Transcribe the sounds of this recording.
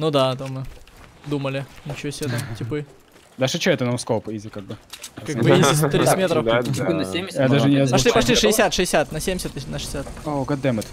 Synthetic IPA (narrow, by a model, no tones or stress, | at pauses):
nud̪at̪amːɨd̪uməlʲɪnʲɪt͡ɕɪvosʲet̪ɐmtʲɪpɨ | d̪aʂɨt͡ɕoɛt̪ənoskopizʲɪkaɡ̚bɨkaɡbɨiɪst̪ɾʲimʲet̪ɾəfɪɨnɐsʲemʲɪjad̪aʐɨnʲɪɐzpɐʂlʲipɐʂ̬lʲiʂɨɪsʲat̪ʂɨɪsʲat̪nɐsʲemʲɪsʲɪt̪nʂɨ̥ɪ̥sʲat̪oɡɐd̪ɛmɨt̪